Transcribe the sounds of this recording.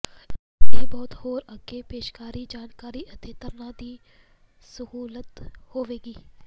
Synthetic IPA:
eːbɔːt̪hoːɾəɡepeːʃkaːɾid͡ʒaːnkaːɾiʔɐt̪et̪əɾnãːd̪iː | səɦuːlət̪hoːʋeːɡiː

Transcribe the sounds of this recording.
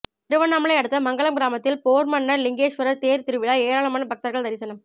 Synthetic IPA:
t̪ɪɾɯʋɐnamɐɭɐɪɐɽɯt̪ːɐmɐŋɡɐɭɐmɡɪɾaːmɐt̪ːɪlpoːɾmɐnːɐɾlɪŋɡeːʂʋɐɾɐɾt̪eːɾt̪ɪɾɯʋɪɭaeːɾaːɭɐmaːnɐbɐk̚t̪ɐɾɣɐɭd̪ɐɾɪsɐnɐm

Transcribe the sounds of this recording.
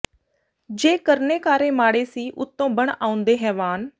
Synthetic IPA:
d͡ʒeːkəɾneːkaːɾeːmaːɽeːsiːʔʊt̪ːõːbəɳaːʊnd̪eːɦɛːʋaːn

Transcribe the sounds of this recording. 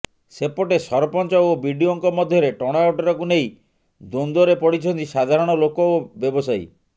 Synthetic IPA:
sepɔʈesɔɾɔpɔnt͡ʃɔobʱiɖioŋkɔmɔd̪ʱjɔɾeʈɔɽ̃awʈɔɾɔkuneĩ | d̪ond̪ɔɾepɔɽit͡ʃʰɔnt̪isad̪ʱaɾɔɽ̃ɔlokɔobjɔbɔsaj

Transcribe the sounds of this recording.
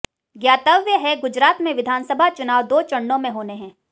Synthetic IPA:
ɡjaːt̪əʋjəɦɛɡʊd͡ʒɾaːt̪mẽʋɪd̪ʱaːnsəbʱat͡ʃʊnaːʋd̪oːt͡ʃɐ̃ɳːõmẽɦoːneɦɛ̃ː

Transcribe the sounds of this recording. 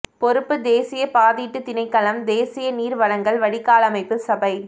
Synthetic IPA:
pɔɾɯpːɯd̪eːsɪjɐpaːðiːʈːɯt̪ɪnɐɪkːɐlɐmd̪eːsɪjɐniːɾʋɐɽɐŋɡɐɭʋɐɽɪkːaːlɐmɐɪpːɯsɐbɐɪ

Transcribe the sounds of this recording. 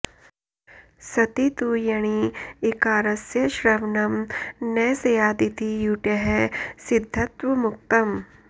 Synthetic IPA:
sɐt̪it̪ujɐɽ̃iekaːɾɐsjɐʃɾɐʋnɐmnɐsɐjaːd̪it̪ijuːʈɐɦesid̪ʱːɐt̪ʋɐmuk̚t̪ɐm

